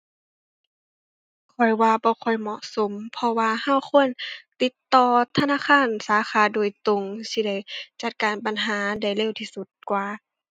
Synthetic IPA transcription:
kʰɔ˧˩jwaː˧bɔː˧˦xʰɔ˧˩jmɔ˧˨ʔso˨˦mpʰɔ˧waː˧ha˧˥˨wxʰo˧˥˨ənt̪i˧˦t̪ːɔː˧t̪ʰa˧naː˧˥˨kʰaː˧˥˨nsaː˨˦xaː˧˦doː˨˩əjt̪o˧ŋsi˧˩da˧˥˩jt͡ɕa˧˦t̪̚kaː˨npa˨nɦaː˨˦da˧˩jle˧˨wt̪ʰiː˧su˧˦t̪̚kwaː˧

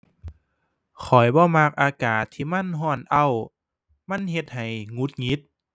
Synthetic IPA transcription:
kʰɔ˨˩jbɔː˧˦ma˧k̚ʔaː˧kaː˨˩t̪ʰːiː˧˩ma˧˥˨nɦɔː˧˩nʔa˧˩˨w | ma˧˥˨nɦe˧t̪̚ha˨˩jŋu˧˦t̪̚ŋi˧˦˥t̪̚

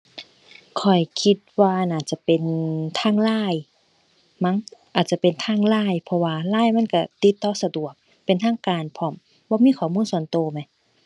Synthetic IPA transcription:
kʰɔ˨˩jkʰi˧t̪̚waː˧naː˧˩t͡ɕa˧˦pe˨nt̪ʰaː˧˥˨ŋlaː˧˥˩j | ma˧˥˨ŋʔaː˨˩t̪̚t͡ɕa˧˨pe˨nt̪ʰaː˧˥˨ŋlaː˧˥˨jpʰɔ˧waː˧laː˥˨jma˧˥˨nka˧˩t̪i˧˦t̪ːɔː˧˦sa˧du˨˩ək̚ | pe˨nt̪ʰaː˧˥˨ŋkaː˨npʰɔ˧˩˨m | bɔː˧˦miː˧˥˨kʰɔː˨˩muː˧˥˨nsu˧˩ənt̪oː˧˩ma˧˩j

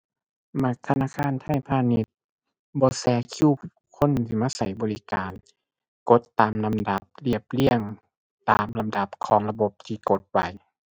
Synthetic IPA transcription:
ma˧˩k̚t̪ʰa˧naː˧˨kʰaː˧˥˨nt̪ʰa˧˥˨jpʰaː˧ni˧˦t̪̚ | bɔː˧˦sɛː˨˧˦kʰi˧˨ | kʰo˧˥˨nt̪ʰiː˧maː˧˥˨sa˨˦jbɔː˨li˦kaː˨n | ko˧˦t̪ːaː˨mla˧mda˨˧˦p̚li˧˩əp̚li˧˥˩əŋ | t̪a̰ː˨mla˨˧mda˨˦p̚kʰɔː˨˦ŋla˧bo˧˦p̚t̪ʰiː˧ko˧˦t̪̚wa̰˨˧j

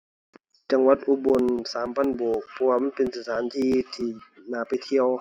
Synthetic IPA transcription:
t͡ɕa˧ŋwa˧˦t̪̚ʔu˧˥bo˧˨nsaː˨˦mpʰa˧˥˨nboː˨˩k̚pʰɔ˧waː˧ma˧˥˨npe˨nsɯː˧˩t̪ʰaː˨˦nt̪ʰiː˧t̪ʰiː˧˩naː˨˩pa˨jt̪ʰi˧˨əw

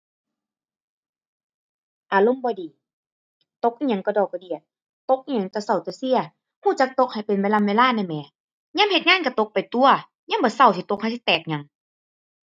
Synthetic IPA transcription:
ʔaː˨˩lo˧˨mbɔː˧˦diː˨˦ | t̪o˧˦k̚ʔi˧˨ɲa˧˦ŋkɔ˧˩dɔː˨˩k̚ːɔ˧˩di˧˩ə˩t̪̚ | t̪o˧˦k̚ʔi˧ɲa˧˦ŋka˧˩sa˧˩˨wt̪ɯː˧˦si˧˥˨ɐ | huː˧˩t͡ɕa˧˥k̚t̪o˧˦˥k̚ha˨˩jpe˨nweː˧˨laː˧˥˨weː˧˨laː˧˥˨na˧˩˨mɛː˨˦ | ɲaː˧˥˨mhe˧t̪̚ŋaː˧˥˨nka˧˩t̪o˧˦k̚pa˨˩jt̪u˧ɐ | ɲaː˧˥˨bɔː˨˦sa˧˩wt̪ʰi˧˩t̪o˧˥k̚ha˧˩si˧˦t̪ɛː˨˩k̚ɲa˨˧˦ŋ

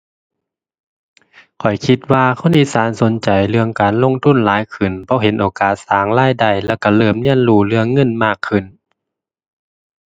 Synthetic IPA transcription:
kʰɔ˨˩jkʰi˧t̪̚waː˧kʰo˧˥˨nʔiː˧saː˨˦nso˨˦nt͡ɕa˨˩jlɯ˧əŋkaː˨˩nlo˧˥˨ŋt̪ʰu˧˥˨nlaː˨˦jkʰɯ˨˩nbɔː˧ɦe˨˦nʔoː˨˩kaː˨˩t̪̚saː˨˦ŋlaː˧˥˨jda˧˩jlɛː˧˩wka˧˩lɤː˧˩˨mni˧˥˨ənluː˧˩lɯ˧əŋːɤ˧˥˨nmaː˧˩kʰːɯ˧˩˨n

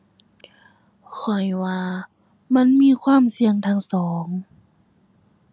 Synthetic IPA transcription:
kʰɔ˨˩jwaː˧ | ma˧˥˨nmiː˧˥˨kʰwaː˧˥˨msi˧əŋt̪ʰaː˧˩ŋsɔː˩˦ŋ

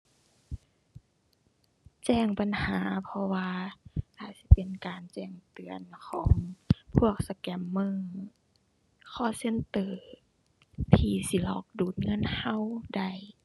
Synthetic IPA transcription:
t͡ɕɛː˧˩ŋpa˨nhaː˩˦pʰɔ˧waː˧ʔaː˧˩t̪̚si˧˦pe˨nkaː˨nt͡ɕɛː˧˩ŋt̪ɯ˨ənkʰɔː˩˦ŋpʰu˧˥˩ək̚sa˧kɛ˧˩mːɯ˧˩˨ŋ | kʰɔː˧˩˨se˧˥˨nt̪ɤː˧˩ | t̪ʰiː˧si˧˦lɔː˧˩k̚duː˨˩t̪̚ŋɤ˧˥˨nha˧˨wda˧˩j

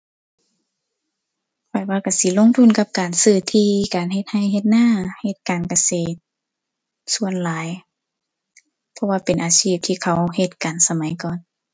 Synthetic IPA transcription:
pʰa˧˩waː˧ka˧˩si˧˦lo˧˥˨ŋt̪ʰu˧˥˨nka˧p̚kaː˨nsɯː˧˩t̪ʰiː˧˨kaː˨nhe˧t̪̚ha˧˩jɦe˧t̪̚naː˧˥˨he˧˩t̪̚kaː˨nka˧seː˧˩t̪̚ | su˧˨ənlaː˨˦j | pʰɔ˧waː˧˩pe˨˩nʔaː˨siː˧˩p̚t̪ʰiː˧kʰa˧˩˦whe˧t̪̚ka˨nsa˧ma˨˦jkɔː˨n

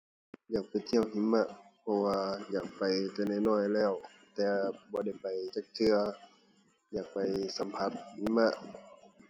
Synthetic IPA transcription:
jaː˨˩k̚pa˨˩jt̪ʰi˧˥˩əwɦi˧˥˦mːa˧˨ʔpʰɔ˧waː˧jaː˨˩k̚pa˨jt̪ɛː˧˩na˧˩jnɔː˧˩˨jlɛː˧˩w | t̪ɛː˨˧bɔː˧˦da˧˥˩jpa˨˩jt͡ɕaː˧˩k̚t̪ʰɯ˧ɐ | jaː˨˩k̚pa˨jsa˨˦mpʰa˧˥t̪̚hi˧˦mːa˧ʔ

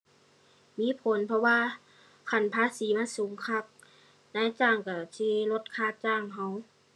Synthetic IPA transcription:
miː˧˥˨pʰo˨˦npʰɔ˧waː˧ | kʰa˧˩npʰaː˧˥˨siː˨˦maː˧˥˨suː˨˦ŋkʰa˧˩˨p̚ | naː˧˥˨jt͡ɕaː˧˩ŋka˧˩siː˧˥lo˧t̪̚kʰaː˧˩t͡ɕaː˧˩˨ŋɦa˧˥˨w

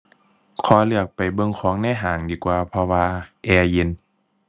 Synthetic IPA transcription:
kʰɔː˧˦lɯ˧˩ək̚pa˨˩jbɤ˧˨ŋkʰɔː˨˦ŋnɛː˧˨ɦaː˨˩ŋdiː˧˩˦kwaː˧pʰɔ˧waː˧ʔɛː˧je˧˨n

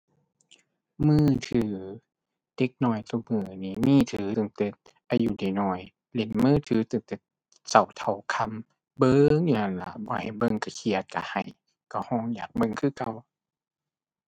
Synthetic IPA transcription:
mɯː˧˩t̪ʰɯː˨˧˦ | d̥e˧˦k̚nɔː˧˩jt̪ɔ˧mɯː˧˩niː˧niː˧˥˨t̪ʰɯː˨˦t̪ɯ˧˩˦ŋt̪e˧˦t̪̚ | ʔa˧˩juː˧˦da˨˩jnɔː˧˩j | le˨˧˦nmɯː˧˥˨t̪ʰɯː˨˦t̪ɯ˧ŋt̪e˧˦t̪̚ | sa˨˩wt̪ʰa˨˩wkʰa˧˥˨m | bɤː˧ŋjuː˧˨na˧˩nla̰˧˦bɔː˧˦ha˨˩jbɤ˧˨ŋka˧˩kʰi˧˩ət̪̚ka̰˧ha̰˨˩j | ka˧˩hɔː˧˩ŋjaː˨˩k̚bɤ˧˨ŋkʰɯː˧˨ka˧˩w

